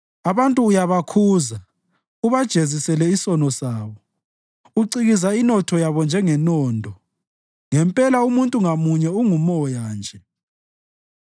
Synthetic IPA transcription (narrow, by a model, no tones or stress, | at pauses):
aβantʼuːjaβakʰuːza | uβad̥ʒ̥ʱezisɛlɛisɔnɔsaːβɔ | uǀiɣizainɔtʰɔjaβɔnd͡ʒʱɛŋɛnɔːndʱɔ | ŋɛmpʼɛlaumuntʼuŋamuɲɛuŋumɔjaːnd͡ʒʱɛ